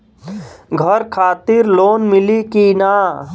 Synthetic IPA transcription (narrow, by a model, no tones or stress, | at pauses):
ɡʱəɾkʰaːt̪ɪɾloːnmɪlikinaː